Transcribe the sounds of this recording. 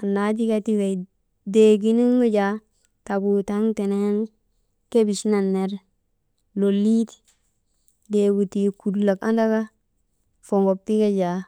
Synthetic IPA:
a˨na˨˦d͡ʒi˦ka˦ti˦we˨ | de˨ɡi˦ni˦ɡo˦d͡ʒa˨˦ | ta˨ɡu˨ta˦ŋte˨ne˦n | ke˦bi˨sna˨nːe˨ɾ | lo˨li˦t | de˨ɡu˨ti˨ku˨dla˨ka˦nda˦ɡa˦ | fo˨ŋɡo˨p̚ti˦ɡa˦d͡ʒa˨

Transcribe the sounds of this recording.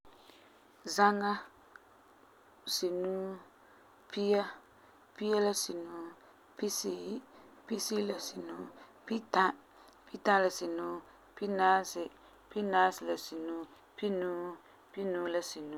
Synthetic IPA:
za˦ŋa˦ | si˨nuː˦ | pi˦ja˦ | pi˦ja˦la˦si˨nuː˨˦ | pi˦si˦ | pi˦si˦la˨si˨nuː˦ | pi˦ta˦ | pi˦ta˦la˨si˨nuː˦ | pi˦naː˦sɪ˨ | pi˦naː˦sɪ˨la˨si˨nuː˦ | pi˦nuː˦ | pi˦nuː˦la˦si˨nu˦

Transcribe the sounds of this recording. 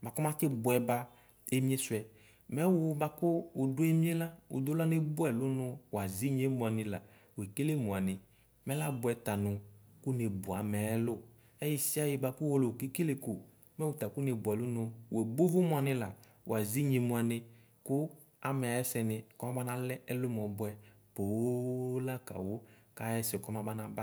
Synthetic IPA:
ba˨kʊ˦mã˦kɪ˦bʊ˨ɛ˨ba˦ | e˦mĩ˦e˦sʊ˨ɛ˨ | mɛ˦wʊ˨˦ba˧kʊː˦˨dʊ˦e˦mĩ˦e˦la˦ʊ̰˨d̪ʊ˦la˦ne˦bʊ˦ɛ˨lʊ˦nʊ˧wa˨zi˦ɲ˦e˦mũ˨a˨nɪ˨la̰˨ | we˨ke˦le˦mʊ̃˨a˨nɪ˨ | mɛ˦la˦bʊ˦ɛ˨t̪a˨nʊ˨kʊ˦ne˨bʊ˨a˨mɛ˨˦ɛ˦lʊ˦˨ | ɛ˦ji˦si˦a˦jɪ˧ba˧kʊ˦wo˦lo˨ke˦ke˦le˦kʊ˨ | mɛ˦wu˨ta˨kʊ˦ne˨bʊ˨ɛ˨lʊ˦nʊ˧wɛ˨bo˦vʊ˦mʊ˨a˨nɪ˧la˨ | w̰a˨zi˦ɲi˨mʊ˧a˨nɪ˧ | kʊ˦ | a˨mɛ˨a˨jɛ˦sɛ˧nɪ˧kɔ˦ma˦ba˦na˦lɛ˦ɛ˦lʊ˦mɔ˨bʊ˦ɛ˨ | po˨˦la˦ka̰˨wo˦ka˦jɛ˦sɛ˨kɔ˦ma˦ba˦na˨ba˦

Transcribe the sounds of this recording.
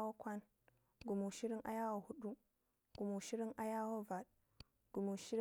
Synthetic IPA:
wo˦kʷa˦n | ɡu˨mu˨ʃi˦ɾi˦ŋʔa̰˦ja˦wo˨hu˦ɗu˦ | ɡ̥u˨mu˨ʃi˦ɾi˦ŋʔa˦ja˦wo˦va˨ɗ | ɡ̥u˨mu˨ʃi˦ɾ

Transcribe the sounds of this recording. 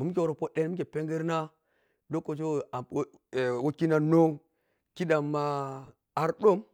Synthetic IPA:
mu˨m˦kʲe˨wo˨ɾo˨po˦ɗe˦n˦mi˦ke˨pe˦ŋɡə˦ɾna˦ | do˦ko˨t͡ʃe˦˨˦ | wo˦ki˦na˦no˦ŋ | ki˦da˨mːa˦ | a˦ɾɗo˦m

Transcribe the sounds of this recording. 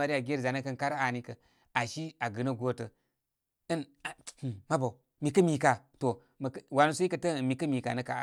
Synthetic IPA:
a˨ɾi˦a˨ɡe˦ɾza˨nə˦kə˦nka˦ɾa˨ni˦kə˨ | a˨ʃi˦a˨ɡɨ˨nə˦ɡo˦tə˨ | ɨ˦n˨hma˦ba˨ | mi˨kə˦mi˨ka˨to˨ | mə˨kwa˨nu˦su˦i˦kə˨tə˦˨mi˨kə˦mi˨ka̰˨nə˦ka˨

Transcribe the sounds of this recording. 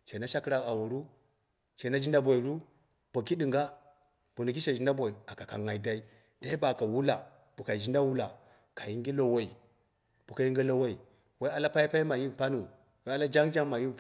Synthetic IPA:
t͡ʃe˨na˦ʃa˦kɾa˨ka˨wo˨ɾu˦ | t͡ʃe˨na˦d͡ʒi˦nda˦bo˨i˨ɾu˦ | b̥o˨ki˦di˨ŋɡa˦ | b̥o˨nu˨ki˦ʃa˨d͡ʒi˨nda˦bo˨i˨a˨ka˨ka̰˨ŋa˨i˨da˨i˦ | da˦i˦ba˨ka˨wu˦la˨ | b̥u˨ka˨i˨d͡ʒi˦nda˦wu˦la˨ | ka˨ji˦ŋɡi˦lo˨wo˦i˨ | b̥u˨ka˨ji˦ŋɡi˦lo˦˨wa˦i˨ | wa˦a˦la˦pa˦i˦pa˦i˦ma˨ji˦˨pa˦nu˨ | wa˦a˦la˦d͡ʒa˦ŋd͡ʒa˦ŋma˨ji˦

